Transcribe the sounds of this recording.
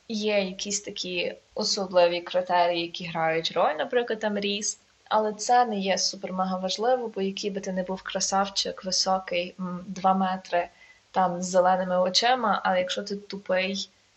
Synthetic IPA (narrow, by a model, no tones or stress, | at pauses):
jɛjɐkʲʰisʲt̪ɐkʲʰiɔsɔblˠɪʋʲikɾɪt̪ɛɾʲijijɐkʲiɦɾɑjʊtʲrɔlʲnɐpɾɪklˠɐd̪t̪ɑmɾʲis | ɐ̰lˠɛt̪sɛnɛjɛsupermɐɦɐʋɐʒlˠɪʋɔbɔjɐkʲijbɪt̪ɪnɛbuwkɾɐsɑwt͡ʃɪkʋɪsɔkɪjd̪ʋɑmɛt̪ɾɪt̪ɑmzːelˠɛnɪmɪɔt͡ʃɪmɐʔɐ̰lˠɛjɐkʃɔt̪ɪt̪ʊpɪj